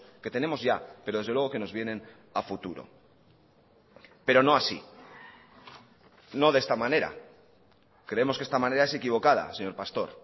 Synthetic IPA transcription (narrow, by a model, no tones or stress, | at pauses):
ke̞t̪e̞nẽ̞mozʝape̞ɾo̞ð̞e̞zðewe̞o̞ke̞no̞zβje̞nẽ̞n | afut̪uɾo̞̰ | pe̞ɾo̞no̞asḭ | no̞ðe̞st̪amãne̞ɾa̰ | kɾe̞e̞moskest̪amãne̞ɾaese̞kiβ̞o̞kað̞a̰se̞ɲo̞ɾpast̪o̞ɾ